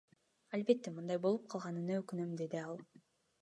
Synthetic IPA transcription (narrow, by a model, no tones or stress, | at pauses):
alʲbe̞t̪ːemɯnd̪ɑjbo̞lˠup̚qʰɑlˠʁɑnɯnɑøkynømd̪e̞d̪iɑlˠ